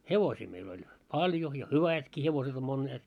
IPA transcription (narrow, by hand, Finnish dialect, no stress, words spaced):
heʋosiː meil olʲ pɑlʲjo jɑ hyʋætki heʋoset om monːeːt